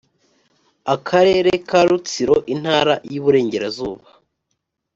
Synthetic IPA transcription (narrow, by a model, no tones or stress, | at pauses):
akʰaɾe̞ːɾekaɾut͡siɾoʔin̥haːɾa̰juβuɾe̞ːɲɟe̞ɾazuːβa